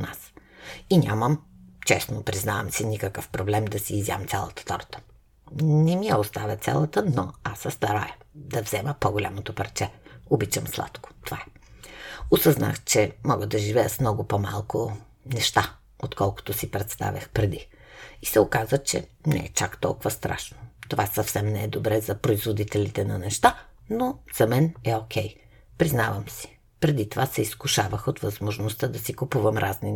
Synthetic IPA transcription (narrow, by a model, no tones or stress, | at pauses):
na̰siɲʲaməmt͡ʃɛsnopɾiznavəmsinikəkəfpɾoblɛmd̪ɐsiːzja̰mt̪sʲalˠə̰t̪ə̥t̪ɔɾt̪ə̥ | nɛmijəost̪avʲət̪sʲɛ̰lˠət̪ənoasəst̪ɐɾajə | d̪ɐvzɛməpoɡolʲa̰mot̪opəɾt͡ʃɛobit͡ʃəmslˠa̰t̪ko̥t̪ovaɛ | osəzna̰xt͡ʃɛmɔɡəd̪ɐʒivɛjəsmnɔɡʊpɔma̰lˠkʊ | nɛʃt̪a | ot̪kɔlˠkʊ̥t̪ʊsipɾɛt̪st̪a̰vʲjə̰xpɾɛd̪i | isɛokazvət͡ʃɛ̰nɛ̰ɛ̰t͡ʃakt̪ɔ̰lˠkʊvəst̪ɾa̰ʃnot̪ovasɐfsɛmnɛɛd̪obɾɛzɐpɾoizvod̪it̪ɛlit̪ɛnɐnɛʃt̪anoz̥ɐmɛnɛok̟ɛj | pɾiznavəmsi̥ | pɾɛd̪it̪ovasɛiskʊʃavəxot̪vɐzmoʒnost̪əd̪ɐsikupuvəmɾʔazni